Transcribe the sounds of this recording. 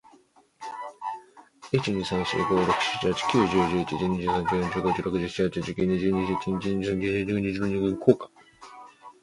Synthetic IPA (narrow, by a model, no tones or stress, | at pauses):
it͡ɕiɲisãɕɨ̰ːɡoɾo̞kɯ̟̥ɕi̥t͡ɕihat͡ɕi̥kʲɨːʑɨːʑɨːit͡ɕid͡ʑɨːɲid͡ʑɨːsãŋkʲɨːjõɲt͡ɕɨːɡod͡ʑɨːɾo̞kɯʑɨçi̥t͡ɕihat͡ɕid͡ʑɨkʲiɲiʑɨːɲiʑɨkʲĩɲt͡ɕiɲisãŋkiʑd͡ʑɨːɲid͡ʑinoɲiɡɯ̃ŋkʰoːkḁ